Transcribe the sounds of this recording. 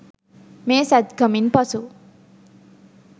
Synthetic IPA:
mẽsat̪ɡʱʌminpʌt͡sʰu

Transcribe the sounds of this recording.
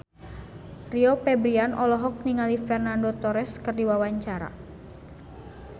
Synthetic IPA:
riɔpɛbɾianʔɔlɔɦɔk̚niŋalifɛrnandot̪ɔɾɛskərdiwawaɲt͡ʃaɾa̰

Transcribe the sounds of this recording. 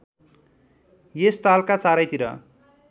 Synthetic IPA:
jest̪alkat͡saɾʌjt̪iɾʌ̰

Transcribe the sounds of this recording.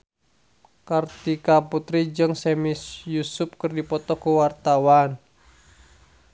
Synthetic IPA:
kart̪ikaput̪ɾid͡ʒɨŋsɛmisjusʊp̚kɨrdipɔt̪ɔkəwart̪awan

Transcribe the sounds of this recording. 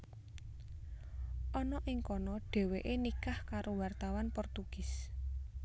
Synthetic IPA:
ʔɔnɔʔɪŋkɔnɔɖ̥ɛ̤weʔenikahkaɾowart̪awanpɔrt̪uɡ̥ɪ̤s

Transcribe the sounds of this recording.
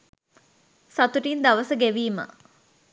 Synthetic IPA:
sat̪uʈind̪ɐʋəsəɡeʋiːmə̰

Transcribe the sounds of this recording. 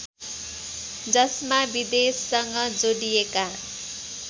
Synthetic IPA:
d͡zʌsmabid̪esːʌŋɡʌd͡zoɽijeka

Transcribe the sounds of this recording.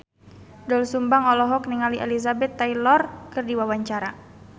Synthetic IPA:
dɔlsumbaŋɔlɔɦɔk̚niŋaliʔḛlizabɛt̪ːajlɔrkɨrdiwawaɲt͡ʃaɾa

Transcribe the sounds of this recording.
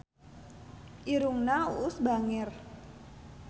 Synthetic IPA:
ʔiɾuŋnauːsbaŋɪr

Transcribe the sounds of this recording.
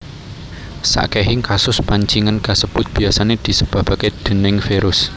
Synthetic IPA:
sa̰ʔkeɦɪŋkasʊspaɲt͡ʃiŋənkasəb̥ʊt̪̚b̥iasaned̪̥i̤səb̥a̤b̥a̤ked̪̥ə̤nɪŋfeɾʊs

